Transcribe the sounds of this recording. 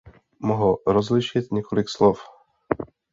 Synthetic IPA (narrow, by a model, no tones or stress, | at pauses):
mɔɦɾɔzliʃɪt̪ɲɛkolikslɔf